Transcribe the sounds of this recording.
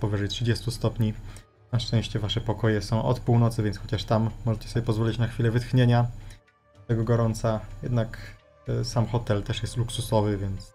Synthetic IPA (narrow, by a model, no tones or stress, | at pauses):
pɔvɘʐɛjtʂɘd͡ʑɛst̪ust̪ɔpɲi | naʂt͡ʂɛ̃w̃ɕt͡ɕɛvaʂɛpɔkɔjɛsɔ̃w̃ʔɔ̰t̪puwnɔt̪sɘvʲjɛnt̪sxɔt͡ɕaʂt̪amːɔʐɛt͡ɕɛ̥sɔbʲɛpɔzvɔlʲit͡ɕnaxfʲilɛvɘt̪xɲeɲa | t̪ɛɡɔɡɔɾɔnt̪sajɛd̪nak | samxɔt̪ɛlt̪ɛʂjɛst̪luksusɔvɘvʲjɛnt̪s